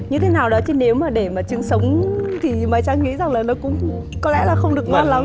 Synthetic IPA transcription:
ɲɨ˧t̪ʰe˨˦naː˨˩wɗɔ˨˦t͡ɕi˨˦ne˨˦wmaː˨˩ɗe˧˩maː˨˩t͡ɕɨ˨˧əŋsə˨˦wŋ͡mt̪ʰi˨˩maː˨˩t͡ɕaː˧ŋḭ˧˥za˨˩ŋlaː˨˩nɔ˨˦kʊ̰˧˥ŋ͡mkɔ˨˦lɛ̰˧˥laː˨˩xə˧wŋ͡mɗɨ˨˩ək̚ma˧la˨˦

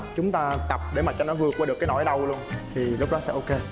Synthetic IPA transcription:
t͡ɕʊ˨˦ŋ͡mt̪aː˧t̪ə˨˩p̚ɗe˧˩maː˨˩t͡ɕɔ˧nɔ˨˦jvɨ˨˩ək̚aː˧˦ɗɨ˨˩əkaː˨˦jnɔ˧˩˦jɗə˧wlu˧ənt̪ʰi˨˩lʊ˦˥k͡p̚ɗɔ˨˦sɛ̰˧˥ʔo˧ke˧

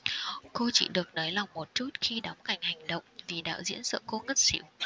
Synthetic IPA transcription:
ko˧t͡ɕḭ˧˨ɗɨ˨˩ək̚nɔː˨˦jla˨˩wŋ͡mmo˨˩t̚t͡ɕu˦˥t̚xi˧ɗɔ˨˦ŋ͡mka˨˩jŋ̟ha˨˩jŋ̟ɗə̰˧˨wŋ͡mvi˨˩ɗa̰ː˧˥zḭ˧˥ənsə̰ː˧˨ko˧ŋə˦˥t̚sḭ˧˦w

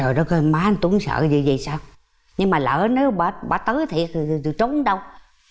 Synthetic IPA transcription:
ɔ˨˩jɗɔ˨˦kɔ˧˦maː˨˦˨t̪u˨˧˦əŋsə̰ː˧˨zḭ˧˨zi˨˩saː˧w | ɲɨ˧ŋmaː˨˩lə̰ː˧˨ne˨˦wɓaː˧˩ɓa̰ː˧˩t̪əː˨˦jt̪ʰi˨˩ək̪̚zɨ˨˩t͡ɕo˨˦nɗə˧w

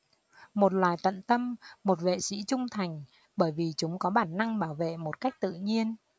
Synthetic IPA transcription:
mo˨˩t̚lwaː˨˩jt̪ə̰˧˨nt̪ə˧mːo˨˩t̚vḛ˧˨sḭ˧˥t͡ɕʊ˧ŋ͡mt̪ʰa˨˩jŋ̟ | ɓəː˧˩jvi˨˩t͡ɕʊ˨˦ŋ͡mkɔ˨˦ɓaː˧˩nːa˧ŋɓaː˧˩wvḛ˧˨mo˨˩t̚ka˦˥jk̚t̪ɨ̰˧˨ɲi˧ən

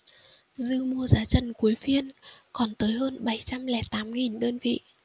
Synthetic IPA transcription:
zɨ˧mu˧əzaː˨˦t͡ɕə˨˧˩nku˨˦əjfi˧ənkɔ˨˩nt̪əː˨˦jɦəː˧nɓa˧˩jt͡ɕa˧mlɛ˧˩t̪aː˨˦mŋi˨˩nɗəː˧nvḭ˧˨

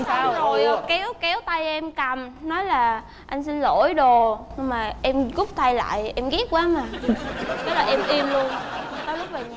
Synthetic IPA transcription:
aː˧wzo˨˩jkɛ˨˦wkɛ˨˦wt̪a˧jʔɛ˧mka˨˩mnɔ˨˦jlaː˨˩ | ʔa˧jŋ̟si˧nlo̰˧˩jɗo˨˩ɲɨ˧ŋmaː˨˩ʔɛ˧mɣʊ˦˥k͡p̚t̪ʰa˧jla̰ː˧˨jʔɛ˧mɣi˦˥ət̚kwaː˨˦maː˨˩kɛ˨˦laː˨˩ʔɛ˧mʔi˧əmlu˧ən˧t̪əː˨˦lʊ˦˥k͡p̚mə˨˩

